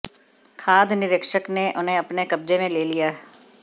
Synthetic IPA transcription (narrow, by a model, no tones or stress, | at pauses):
kʰaːd̪ʱnɪɾɪkʃəkneʔʊn̤ɦẽɐpnekɐb̚d͡ʒemẽleːlijaːɦ